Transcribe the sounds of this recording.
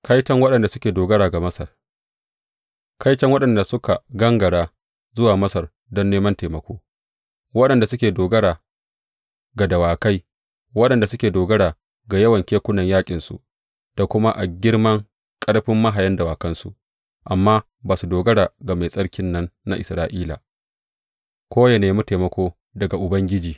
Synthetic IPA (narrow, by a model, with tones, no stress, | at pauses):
kʰɐ˦jt͡ʃɐ˦ŋwɐ˦ɗɐ˨nda˨sʊ˦kʲeː˨doː˨ɡɐ˦ɽaː˨ɡa˨mɐ˦sɐ˨r | kʰa˦jt͡ʃɐ˦ŋwɐ˦ɗɐ˨nda˨sʊ˦ka˨ɡɐ˦ŋɡɐ˨ɽaː˦ | zʊ˦waː˨mɐ˦sɐ˨r | dɔ˦nːeː˦mɐ˦nteː˨mɐ˨˦kʷoː˦ | wɐ˦ɗɐ˨nda˨sʊ˦kʲeː˨doː˨ɡɐ˦ɽaː˨ | ɡa˨dɐ˨waː˨ka˦j | wɐ˦ɗɐ˨nda˨sʊ˦kʲeː˨doː˨ɡɐ˦ɽaː˨ | ɡa˨jɐ˦wɐ˨ŋkʲeː˦kʷʊ˦nɐ˨ɲjaː˦kʲʼɪ˨nsṵ˨ | d̥a˨kʷʊ˦ma˦ʔa˨ɡʲɪ˦ɽmɐ˦ŋ | kʼɐ˦ɽɸɪ˦mːɐ˦ɦa˨jɐ˦ndɐ˨waː˨kɐ˦nsṵ˦˨ʔ | ʔa˨mːaː˦ | baː˨su˨doː˨ɡɐ˦ɽaː˨ɡa˨ma˨sʼɐ˦ɽkʲɪ˦nːɐ˦nːa̰˦˨ʔɪ̰˨sɾaː˦ʔiː˦la˨ | kʷoː˦jɐ˨neː˨mu˦teː˨mɐ˦kʷoː˦ | dɐ˨ɡa˨ʔʊ˨bɐ˦ŋɡʲɪ˦d͡ʒiː˨